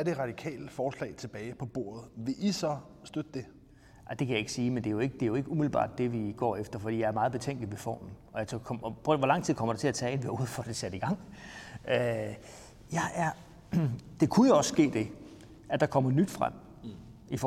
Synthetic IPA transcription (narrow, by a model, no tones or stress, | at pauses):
æɐd̥e̝ʁɑ̈d̥ikʰɛ̰ːləfɒːslɛ̰ɪt͡sʰe̝b̥ɛːɪpʰɒ̽b̥o̝ɐ̰ð̞̩ˠʋe̝ʔisɒ̽ | sd̥ød̥əd̥e̝ | ad̥e̝kʰæjɑ̈e̝ɡ̥siːmend̥e̝jo̝e̝ɡ̥əd̥e̝joe̝ɡ̥əumiðl̩b̥ɑ̰̈ːd̥ːe̝ʋiɡ̥ɒ̰ːefd̥ɐfɒd̥ḭːjɑ̈æɐmɑ̈ːðˠb̥e̝t͡sʰeŋ̰ɡ̥l̩iʋefɒ̰ːmn̩ɒ̽jɑ̈t͡sʰokʰɒmɒʋɒlɑ̈ŋ̰t͡sʰið̰ˠkʰɒ̽mɐɾ̥et͡sʰe̝læt͡sʰɛ̰ːenʋeuð̞̰ˠfɒ̽d̥e̝sæɾ̥iɡ̥ɑ̈ŋ̰ | ø | jɑ̈ɪʔæɐ | d̥e̝kʰujoɒ̽sːɡ̥e̝̰ːd̥e̝ | ʔæd̥ɑ̈kʰɒ̽m̰ɐnyd̥fʁa̰m̰ | if